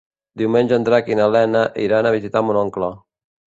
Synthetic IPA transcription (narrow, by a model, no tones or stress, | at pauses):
d̪iwmenʲd͡ʒənd̪ɾakinalɛnaʔiɾanaβizit̪amunɔŋklɔ